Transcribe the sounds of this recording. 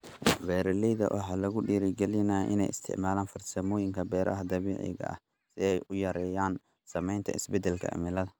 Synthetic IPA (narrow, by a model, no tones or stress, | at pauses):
bɛːɾɐlɛjðɐ̰wʔɑ̰ħɑːlɐɣʊɖiːɾɪɡɛlɪnaːʔɪ̰nɛ̰jɪ̰st̪ʰɪ̰ʕmaːlaːnfɐrsɐmɔːjɪŋkʰɐbɛːɾʔɐ̰ɦɐd̪ɐβiːʕɪ̰ɣɐ̰ʔɐ̰h | sɪɛjʊjɐɾɛːjaːn | sɐmɛjnt̪ʰɐ̰ɪsbɛd̪ɛlkʰɐ̰mɪlɐðɐ